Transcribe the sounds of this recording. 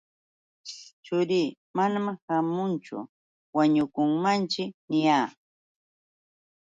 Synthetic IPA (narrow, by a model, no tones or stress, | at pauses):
t͡ʃʊɾiː | manamhamʊnt͡ʃʊ̰ | waɲʊkʊŋmant͡ʃɪnɪjaː